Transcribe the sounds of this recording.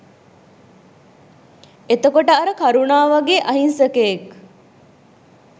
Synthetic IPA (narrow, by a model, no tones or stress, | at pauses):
et̪əkoʈəaɾəkaɾunaːʋaɡeʔaɦinsəkeek